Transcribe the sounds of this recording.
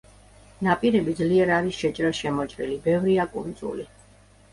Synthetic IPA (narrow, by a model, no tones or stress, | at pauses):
napʼiɾɛbid̪zliɛɾaɾisʃɛt͡ʃʼɾasʃɛmɔt͡ʃʼɾḭlibɛvɾiakʼund̪t̪zʼṵli